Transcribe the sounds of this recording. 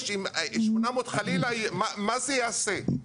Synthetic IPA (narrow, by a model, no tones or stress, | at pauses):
ʃimʔiʃmunamot̪χalilajmamazejase